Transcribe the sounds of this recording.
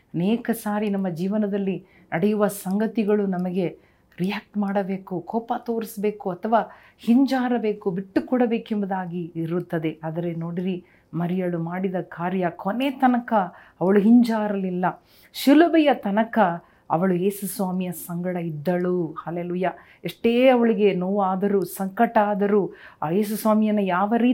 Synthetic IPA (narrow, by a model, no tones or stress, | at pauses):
ɐneːkɐsaːɾinɐmːɐd͡ʒiːʋɐnɐd̪ɐlːi | nʔɐɽɛjuʋɐsɐŋɡɐt̪iɡɐɭunɐmɐɡe̞ | ɾijaːk̚ʈmaːɽɐbe̞ːkukɔːpɐt̪o̞ːɾisbe̞ːkuɐt̪ʰɐʋaː | hiɲd͡ʒaːɾɐbe̞ːkubiʈːukɔɽɐbe̞ːkembɐd̪aːɡiɾut̪ːɐd̪e̞ʔaːd̪ɐɾe̞no̞ːɽiɾi | mɐɾijɐɭumaːɽid̪ɐkʰaːɾjɐkʰonːe̞ːt̪ɐnɐkɐː | ʋɐɭuɦiɲd͡ʒaːɾɐlilːɐ | ʃulubɛjɐt̪ɐnɐkɐ | ɐ̰ʋɐɭueːsusʋaːmijɐsɐŋɡɐɽɐid̪ːɐɭuːhɐleːluːjaː | eʂʈeːɐʋɐɭiɡe̞noːʋaːd̪ɐɾuːsɐŋkɐʈaːd̪ɐɾuːjeːs̬usʋaːmijɐnujaːʋɐɾiː